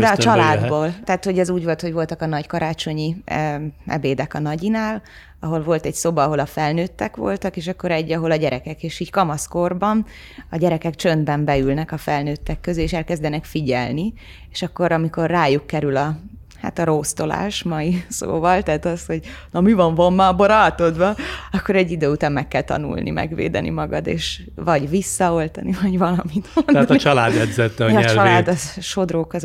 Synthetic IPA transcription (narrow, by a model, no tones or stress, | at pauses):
d̪ɛɒt͡ʃɒlaːd̪boːlt̪ɛːt̪ho̞ɟɛzuːɟvo̞lt̪hoɟvo̞lt̪ɒkɒnɒɟkɒɾaːt͡ʃo̞ɲi | ɛ̰beːd̪ɛkɒnɒɟinaːl | ɒɦo̞lvo̞lt̪ɛɟsoːbɒɦo̞lɒfɛlnøːt̪ːɛkʋo̰lt̪ɒkeːʃɒkːo̞ɾɛɟːɒɦo̞lɒɟɛɾʔɛkɛkeːʃiːɟkɒmɒskorbɒn | ɒɟɛɾɛkɛkt͡ʃønd̪bɛmbɛylnɛkɒfɛlnøːt̪ːɛkːøzyeːʃɛlkɛzd̪ɛnɛkfiɟɛ̰lni | eːʃɒkːo̞ɾɒmiko̞rːaːjukːɛɾylɒ | ha̰ːt̪ɒɾoːst̪o̞la̰ːʃmɒjiso̰ːvɒlt̪ɛːt̪ɒsho̞ɟnɒmivɒɱvomːaboɾɒlt̪od̪ʋɒɒkːo̞ɾɛɟːid̪øːut̪aːmmɛkːɛlt̪ɒ̰nṵlnʔḭmɛ̰ɡʋḛːd̪ɛ̰nʔḭmɒɡɒd̪ḛːʃ | vɒɟvisːɒo̞lt̪ɒnivɒɟvɒlɒmit̪onːt̪t͡ʃɒlaːd̪ɛd̪zɛt̪ːɛɒɛt͡ʃɒlaːd̪ɒʃo̞d̪roːkɒz